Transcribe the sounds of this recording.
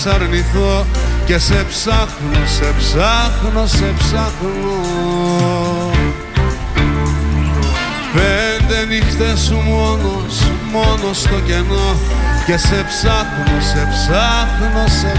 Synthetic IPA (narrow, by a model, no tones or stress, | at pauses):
sɐɾniθo̞ce̞se̞psɐxnosepsɐxno̞se̞psɐxno | pend̪e̞nixt̪esumonos | mo̞nost̪o̞ce̞no̞ce̞se̞psɐxnose̞psɐxno̞se